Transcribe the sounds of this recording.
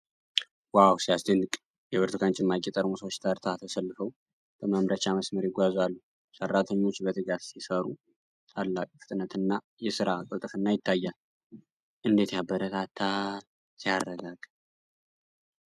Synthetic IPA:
wawsijasd̪ənːɨkʼ | jɛβɨɾt̪ɨkʰant͡ʃʼɪmːakʼit̪ʼəɾmusət͡ʃːt̪ʰaɾt̪ʰat̪ʰəsəlːɨfəw | bəməmɾət͡ʃaməsməɾjɪɡʷazalːu | sərːat̪ʰəɲːo̞t͡ʃːbət̪ʰɨɡasisəɾu | t̪ʰalːakʼfɨt̪ʼnət̪ʰɨnːa | jɛsɨɾakʼət̪ʼəfɨnːajɪt̪ʰːajːal | ʔɨnd̪et̪jabːəɾət̪ʰat̪ʰːa | sijarːəɡaɡ̥

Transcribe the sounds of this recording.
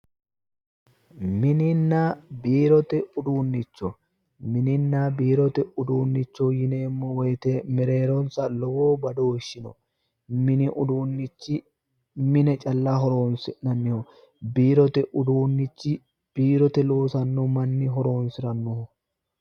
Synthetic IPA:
mɪnɪnːɐbiːɾɔt̪ɛʊd̪uːnːɪt͡ʃːɔ | mɪnɪnːɐbiːɾɔt̪ɛʊd̪uːnːɪt͡ʃːɔjɪne̞ːmːɔwɔjt̪ɛmɛɾe̞ːɾɔnsɐlɔwoːbɐd̪oːʃːɪnɔ̰ | mɪnɪʔʊd̪uːnːɪt͡ʃːɪ | mɪnɛt͡ʃʼɐlːɐɦɔɾo̞ːnsɪnɐnːɪhɔ | biːɾɔt̪ɛʔʊd̪uːnːɪt͡ʃːɪ | b̥iːɾɔt̪ɛlo̞ːsɐnːɔmɐnːɪɦɔɾo̞ːnsɪɾɐnːʊhɔ

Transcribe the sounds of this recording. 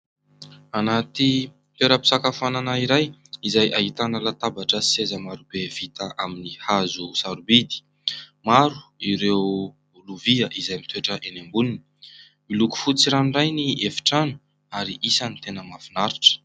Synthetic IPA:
anat̪i | t̪eɾapi̥sakafananaiɾajizajʔahit̪anəlat̪abaʈ͡ʂəsezəmaɾubev̥it̪aʔaminihazusaɾubid̪i̥ | maɾu̥iɾew | luviəʔizajmit̪ʰueʈ͡ʂəʔenembunini̥ | miluku̥fut͡siɾanrajniefi̥ʈ͡ʂanu̥ | aɾiʔisanit̪enəmafinaɾiʈ͡ʂə̥

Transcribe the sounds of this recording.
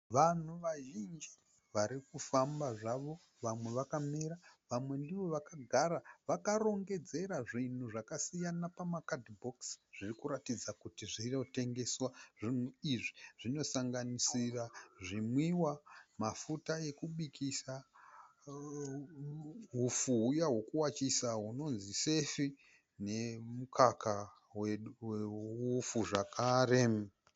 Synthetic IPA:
ʋan̤uʋaʒind͡ʒi | ʋaɾikufambaʐaʋo̞ | ʋamweʋakameɾaʋamwe̞ndiʋo̞ʋakaɡʱaɾaʋakaɾo̞ŋɡe̞d͡ze̞ɾaʐin̤uʐakasijanapamakadbʱoksʐ̥irikuɾatid͡zakutiʐino̞te̞ŋɡe̞swaʐin̤uiʐiʐino̞saŋɡanisiraʐimwiwamafutaje̞kuɓikʰisa | ɦufuɦujaɦwo̞kuwat͡ʃisaɦuno̞nzise̞fi | ne̞mukʰaka | weweufuʐakʰaːre̞

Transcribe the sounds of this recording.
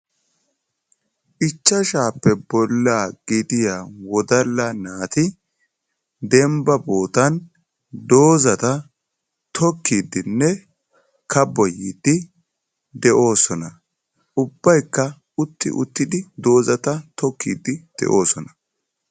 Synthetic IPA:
ʔɪt͡ʃːɐʃaːpːɛbɔlːaːɡ̥iːt̪ɪjaːwɔd̪ɐlːɐnaːt̪ɪ | d̪ɛmbɐbo̞ːt̪ɐn | d̪o̞ːzɐt̪ɐ | t̪ʰɔkːiːd̪ɪnːɛ | kɐbɔjiːd̪ɪ | d̪ɛʔo̞ːsɔnɐ | ʊbːɐjkːɐ | ʊt̪ːɪ̰ʔʊ̰t̪ːɪd̪ɪd̪o̞ːzɐt̪ɐt̪ɔkʰːḭːd̪ɪd̪̥ɛ̰ʔo̞ːsɔnɐ̥

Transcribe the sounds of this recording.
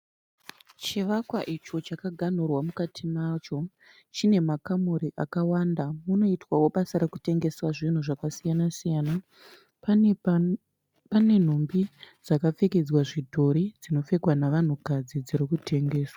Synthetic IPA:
t͡ʃiʋakwaʔit͡ʃo̞t͡ʃakaɡʱan̤urwamukatʰimat͡ʃo̞ | t͡ʃine̞makamoɾiʔakawandamuno̞itwawo̞ɓasaɾeku̥te̞ŋɡe̞swaʐin̤uʐakasijanasijaːna | pane̞n̤ombid͡zakap͡feked͡zwaʐidʱo̞ɾid͡zino̞fe̞kwanaʋan̤ukad͡zid͡ziɾikute̞ŋɡe̞ːswa

